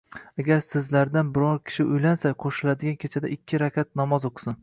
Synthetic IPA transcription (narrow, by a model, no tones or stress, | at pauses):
aɡʲaɾsɪzlaɾd̪anbɪɾɒɾkʲʰɪ̥ʃɪʊjlansaqʰoʃɪlad̪ɪɡʲankʲʰet͡ʃʰad̪aʔɪkʲʰːɪɾakʲʰat̪̚nɒmɒzoqsɪn